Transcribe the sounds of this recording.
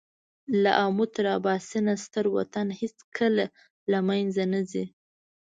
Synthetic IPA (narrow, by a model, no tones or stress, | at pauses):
la̰ʔamʊt̪ɾɑbɑsɪnast̪əɾwa̰t̪anhet͡skʰəla | lamajnzanazi